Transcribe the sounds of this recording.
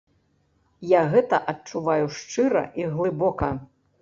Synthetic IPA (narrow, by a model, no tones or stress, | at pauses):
jaɣɛt̪ɐʔɐt͡ʂuvajuʂt͡ʂɨɾɐ̰ʔiɣlˠɨbɔkɐ